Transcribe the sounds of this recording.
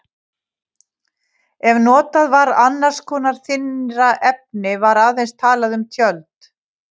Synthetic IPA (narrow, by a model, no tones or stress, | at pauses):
ɛvnɔːt̪aðvaɾanːaɾ̥skʰɔːnaɾ̥θɪnɾaʔɛp̚nɪvaɾaðejnst̪ʰaːlaðʏmt̪ʰjœlt̪